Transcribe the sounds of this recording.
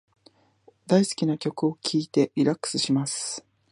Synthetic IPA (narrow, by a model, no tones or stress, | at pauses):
d̪aisɨ̥kʲinakʲo̞kɯ̟o̞kʲʰiːt̪e̞iɾakːɯ̥sɨɕimasɨ̥